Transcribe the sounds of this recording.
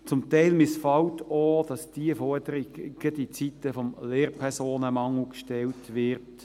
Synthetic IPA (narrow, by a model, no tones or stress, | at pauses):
t͡sʊmt̪ɛɪlmɪsfɑltoːd̥ɑsd̥iəfɔɾd̥əɾiɡɡ̥ədit͡sit̪ːəfɔmleːrpʰɛʁsoːnəmɑŋl̩kʃtɛltʋɪʁt